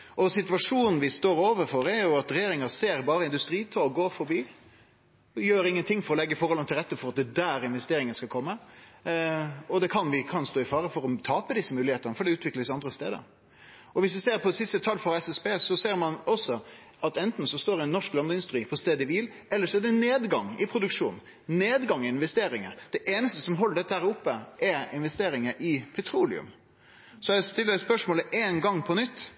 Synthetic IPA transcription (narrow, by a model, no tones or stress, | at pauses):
ʔɔsɪt̪ʋɑʂuːnn̩ʋɪst̪oːɾoːʋəɾfɔɾɛɾjʊɑt̪ɾɛjeːɾɪŋəseːɾbɑːɾəɪnd̪ʉst̪ɾiːt̪ʰoɡoːfɔɾbiː | jøːɾɪŋːənt̪ʰɪŋːfɔɾɔlɛɡːəfɔɾhɔlɑnt̪ʰɪlɾʁɛt̪ːəfɔɾɑt̪̚d̪ɛd̪æːɾɪnʋɛst̪eːɾɪŋənskɑkʰɔmːə | ɔd̪ɛkʰɑnʋɪkʰɑnst̪oːɪfɑːɾəfɔɾɔt̪ʰɑːpəd̪ɪsːəmʉːlɪheːt̪ənəfɔɾɖɛʉːt̪ʰʋɪkləsɑnd̪ɾəst̪eːd̪ə̰ɾ | ɔʋɪs̬ʋɪseːɾpʰɔsɪst̪ət̪ʰɑlfɔɾɛsɛspeːsɔseːɾmɑnɔsɔ | ɑt̪ɛnt̪n̩sɔst̪oːɾɪɛnːɔʂklɑnəɪnst̪ɾiːpʰɔst̪eːd̪əɪʋiːl | ɛlːəɾʂɔɛɖ̪ɛneːd̪ɡɑŋɪpʰɾʊd̪ʉkʂuːn | neːd̪ɡɑŋɪɪnʋɛst̪eːɾɪŋə̰ɾd̪̥ɛʔeːnəst̪əsɔmɦɔlːəɖɛt̪ːəhæːɾʊpːəʔɛɾɪnʋɛst̪eːɾɪŋəɾʔɪpʰɛt̪ʰɾuːlɪ̰ʉ̰m | sɔɛɛst̪ɪlːədɛspœʂmoːləʔeːnɡɑŋpʰɔnʏt̪ː